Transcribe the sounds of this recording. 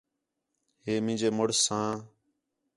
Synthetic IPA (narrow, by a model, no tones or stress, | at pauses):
heːmɪ̃ːnd͡ʒeːmʊɽsãː